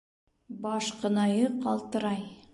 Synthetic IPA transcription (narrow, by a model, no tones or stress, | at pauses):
bɑʃqə̆nɑjɤqʰɑlˠt̪əɾɑj